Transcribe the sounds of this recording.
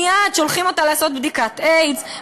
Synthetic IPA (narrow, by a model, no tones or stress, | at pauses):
jad̪ʃo̞lχimo̞t̪alaːso̞t̪̚bd̪ikat̪ejz